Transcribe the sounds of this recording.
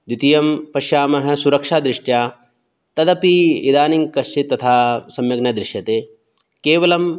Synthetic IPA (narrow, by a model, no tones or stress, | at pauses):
d̪it̪ijɐmpɐʃjaːmɐɦɐ̆suɾɐkʂaːd̪ɾɪʂʈjaː | t̪ɐd̪ɐpiid̪aːniŋkɐʃt͡ʃit̪ːɐt̪ʰaːsɐmjɐɡnɐd̪ɾɪʃjɐt̪eː | keːʋɐlɐm